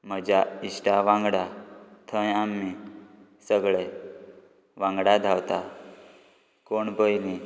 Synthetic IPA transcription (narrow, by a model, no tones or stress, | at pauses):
m̤əd͡ʒaisʈaʋãŋɡɽat̪ʰə̃jamːi | səɡɭe | ʋãŋɡɽad̪ʱawt̪a | koɳbəjni